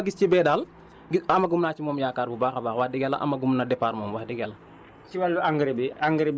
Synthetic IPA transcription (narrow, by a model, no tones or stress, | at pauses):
ɡist͡ʃibɛːdaːl | ɡɐmɐɡumnaːt͡ʃimɔːmjaːkaːɾbubaːxɐbaːxwahdiɡɛla̰ʔɐ̰mɐɡumnadɛpaːɾmɔːmwahdiɡɛlɐ | t͡ʃiwalːuaŋɡɾibiaŋɡɾib